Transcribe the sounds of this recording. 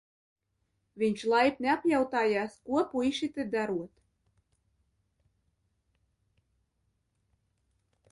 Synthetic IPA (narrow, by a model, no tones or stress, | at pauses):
vʲiɲʲt͡ʃlˠajpnʲeapjawt̪aːjaːskuɔpuiʃit̪ɨd̪aɾuɔt̪